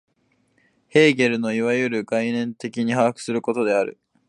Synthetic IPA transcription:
he̞ːɡe̞ɾɯ̟no̞iβajɯ̟ɾɯ̟ɡainẽ̞nt̪e̞kʲiɲ̟ihaːkɯ̟̥sɨɾɯ̟ko̞t̪o̞d̪e̞aɾɯ̟̰

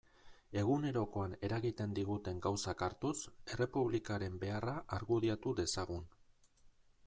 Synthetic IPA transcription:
e̞ɣune̞ɾo̞ko̞ane̞ɾaɣit̪e̞nd̪iɣut̪e̞ŋɡawsakaɾt̪use̞re̞puβ̞likaɾe̞mbe̞araʔaɾɣuðiat̪uðe̞saɣ̞un

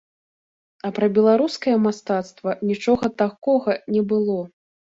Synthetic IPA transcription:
ɐpɾɐbʲɛlˠaɾuskɐjɐmast̪at̪st̪vɐnʲit͡ʂɔɣɐt̪akɔɣɐnʲɛbɨlˠɔ

